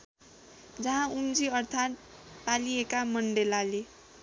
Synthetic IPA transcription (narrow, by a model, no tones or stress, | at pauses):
d͡zʌɦãumd͡ziʌrt̪ʰat̪ | paliekamʌɳɖelale